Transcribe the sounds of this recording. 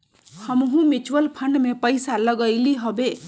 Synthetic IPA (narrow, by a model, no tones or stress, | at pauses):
hʌmɦũmit͡ʃwəlpʰʌɳɖmepʌjsalʌɡʌjliɦobe